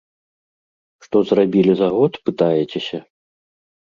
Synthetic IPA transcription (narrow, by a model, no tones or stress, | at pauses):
ʂt̪ɔzrabʲilʲizaɣɔt̪pɨt̪ajɛt͡sʲesʲɐ